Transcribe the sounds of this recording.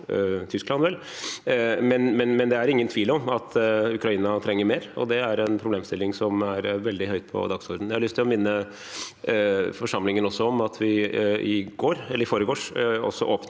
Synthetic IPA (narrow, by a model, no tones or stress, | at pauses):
t̪ʰʏsklɑnʋɛl | mɛnmɛnmɛnd̪ɛæɾɪŋːənt̪ʰʋiːlɔmɑt̪ʰʉkɾɑiːnɑt̪ʰɾɛŋːəɾmeːɾɔ̰d̪ɛæɾɛnpʰɾʊbleːmst̪ɪlːɪŋsɔmæɾʋɛld̪ɪhœʏt̪̚pʰɔ̰d̪ɑɡsɔɾd̪n̩jæhɑlʏst̪ʰːɪlɔmɪnːə | fɔʂɑmːlɪŋənɔsːɔɔmɑt̪ʰʋɪɪɡ̥oːɾɛlːəɾɪfoːɾəɡoːʂɔ̰sːɔ̰ʔoːpn